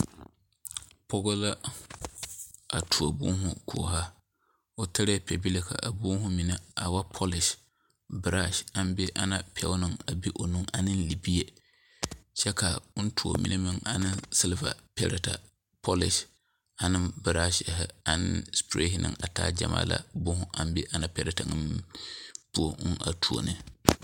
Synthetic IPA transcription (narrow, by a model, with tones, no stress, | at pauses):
pʰɔ˦ɡo˦la˦ | a˨tʰu˨o˨bṵː˦ɦʊ˦ku˨ɦa˦ | o˨tɪ˦ɾɛ˦pɛ˨bi˦le˨kʰa̰˨ʔa˨buː˦hʊ˦mi˨na˦a˨wa˦pʰɔ˦lɪ˨ʃ | bɨ˨ɾa˦ʃa˦m˦be˦ʔa˦na˦pʰɛ̰˨˦ʊ˦nɨ˦ŋa˨bi˦ʔo˨nu˦ŋa˨nɨ˦nli˨bi˦e˦˨ | t͡ʃɛ˦ka˨ʊ˦n˦tʰu˨o̰˨mḭ˦nʔa˦mɨ˨ŋa˨nɨ˦nsɨ˦lva̰˨pɛ˦ɾɛ˨ta˨ | pʰɔ˦lɪ˨ʃ | a˨nɨ˦mbɨ˨ɾa˦ʃhɪ˨a˨nɨ̰˦nspɾe˦hnʔɨ̰˨ŋa˨ta̰ː˦d͡ʒa̰˨ma̰ː˦la̰˨bʊ˦hʊ˦ʔa˨m˦be˦ʔa˦na˦˨pɛ˦ɾɛ˦ta˨nɨ˦m˦pu˦o̰˦ŋa̰˨tʰu˨o̰˨nʔɨ˨